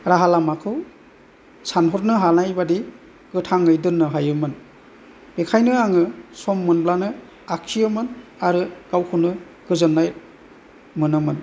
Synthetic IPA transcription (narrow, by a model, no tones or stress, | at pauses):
ɾaɦalamakʰɯw | sanɦɔɾnɯɦanajbadi | ɡ̥ɯtʰaŋɯjdɯnːɯɦajɯmɯn | b̥ekʰajnɯaŋɯsɔmːɯnblanɯ | akʰijɯmɯnaɾɯɡ̥awkʰɯnɯ | ɡ̥ɯzɯnːaj | mɯnɯmɯn